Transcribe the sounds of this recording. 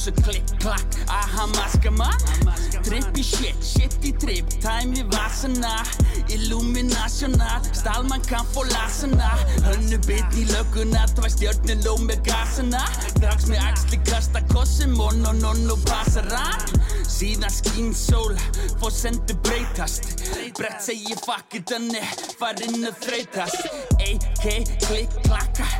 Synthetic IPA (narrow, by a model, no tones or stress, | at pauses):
sɔkʰlɪ | kʰlak | ahamaskama | t̪ʰɾɪpiʃɪht̪ʃɪht̪it̪ʰɾɪpt̪ʰaːjmɪvasana | ɪlumɪnasjɔna | st̪almaŋkʰafɔlasanahœnːʏpɪt̪nilœkːʏnaðt̪ʰvajst̪jœɾt̪nɪloːwmɛkaːsana | t̪ʰaksmɛakst̪lɪkʰast̪akʰɔsɪmɔnɔnɔnːɔpʰasaɾansiːðaskiːnsowlfɔsɛnt̪ɪpɾejt̪ʰast̪pɾɛht̪sɛjɪfahkɪt̪anɪfaɾɪnːʏθɾejt̪ʰast̪ejkʰekʰlɪkʰlaka